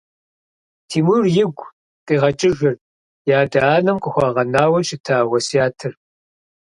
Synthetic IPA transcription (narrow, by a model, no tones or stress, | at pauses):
tʰiːmuːrjɪɡʷ | tʼiːʁɐt͡ʃʼɪʒɪr | jaːdaaːnɐmqʼəxʷɑːʁɐnaːwɐʃɪtʰaːwʷɐsijaːtʰɨr